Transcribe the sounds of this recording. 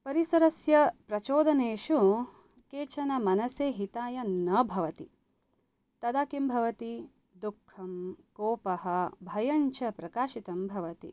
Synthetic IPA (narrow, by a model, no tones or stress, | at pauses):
pɐɾisɐɾɐsjɐpɾɐt͡ʃoːd̪ɐneːʃu | keːt͡ʃɐnɐmɐnɐseːɦit̪aːjɐnɐbʱɐʋɐt̪ḭ | t̪ɐd̪aːkimbʱɐʋɐt̪i | d̪ukʰːɐmkoːpɐhɐ̆bʱɐjɐɲt͡ʃɐpɾɐkaːʃit̪ɐmbʱɐʋɐt̪ḭ